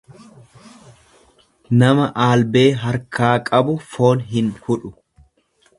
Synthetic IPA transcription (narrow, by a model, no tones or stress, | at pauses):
nɐmɐʔaːlbe̞ːɦɐɾkʰaːkʼɐbʊfo̞ːnɦɪnhʊᶑʊ̥